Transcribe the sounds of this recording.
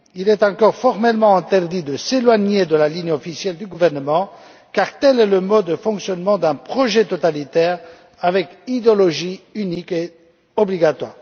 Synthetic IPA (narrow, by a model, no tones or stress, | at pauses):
ilɛt̪ɑ̃kɔʁfɔʁmɛlmɑ̃ɛ̃t̪ɛʁd̪id̪əselwaɲed̪əlaliɲɔfisjɛld̪yɡuvɛʁnəmɑ̃ | kaʁt̪ɛlɛləmɔəfɔ̃ksjɔnmɑ̃d̪ɛ̃pχɔʒɛt̪ɔt̪alit̪ɛːʁ | avɛkid̪ɔlɔʒiynike | ɔbliɡat̪waːʁ